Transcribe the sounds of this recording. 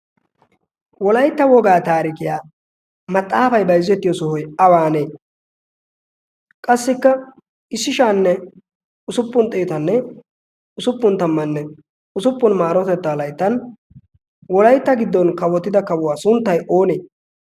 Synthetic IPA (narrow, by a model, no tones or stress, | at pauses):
wɔlɐjt̪ːɐwɔɡaːt̪aːɾɪkɪjaː | mɐt̪ʼːaːfɐjbɐjzːɛt̪ːɪjɔsɔhɔjɐwaːne̞ː | kʼɐsːɪkːɐ | ʔɪsːɪʃaːnːɛ | ʊsʊpːʊnt̪ʼeːt̪ɐnːɛ | ʊsʊpːʊnt̪ɐmːɐnːɛ | ʊsʊpːʊnmaːɾɔt̪ɛt̪ːalɐjt̪ːɐn | wɔlɐjt̪ːɐɡɪd̪ːɔnkɐwɔt̪ːɪd̪ɐkɐwʊwaːsʊnt̪ːɐjʔoːneː